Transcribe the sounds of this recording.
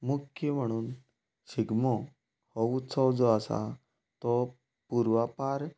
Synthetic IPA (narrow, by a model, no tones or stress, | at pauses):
mukʰjəm̤əɽ̃uːn | ɕiɡmɔ | hɔut̪səwd͡zɔasa̰ | t̪ɔ | puɾʋapaɾ